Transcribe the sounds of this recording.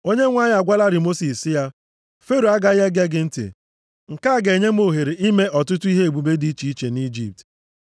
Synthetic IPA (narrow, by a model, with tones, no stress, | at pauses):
o˦ɲe˦ŋʷa˦ɲ˦˨a˨ɡʷa˦la˦ɾɪ˨mo˦si˨ssɪ˦ja˦ | fe˦ɾo˨a˦ɡa˦je˦ɡe˦ɡɪ˨n̩˦tḛ˨ | ŋ̩˨ka˦˨ɡe˨ɲe˦m˦o˨ɦe˨ɾe˨ʔi˦me˦ʔɔ˨tʊ˦tʊ˦i˦ɦe˦e˨ɡ͡bu˨be˦di˨˦i˦t͡ʃi˨i˦t͡ʃe˨ni˦d͡ʒḭ˨p̚t